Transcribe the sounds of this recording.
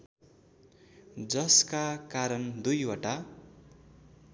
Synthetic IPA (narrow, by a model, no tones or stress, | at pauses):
d͡zʌskakaɾʌnd̪ujwʌʈa